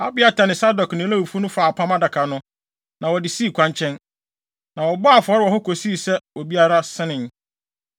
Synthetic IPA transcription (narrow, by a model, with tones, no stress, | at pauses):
a˦bɪ˨˦a˦tʰã˨nɪ̃˨sa˦dɔ˨knɪ̃˨˦la˦˨u˨fu˦nʊ̃˦faː˨pʰã˦ma˦da˨kʰa˨nʊ̃˦ | nã˨wɔ˨dɪ˨si˦˨kʷʰã˨ɲt͡ɕʰɛ̃˦n | nã˨wɔ˨baː˦˨fɔː˨˦ɾɪ˦wɔ˨ɦʊ˦kʰo˨si˦˨sɛ˦wɔ˨bi˦a˦ɾa˦sɪ̃˦nɪ̃˨n˦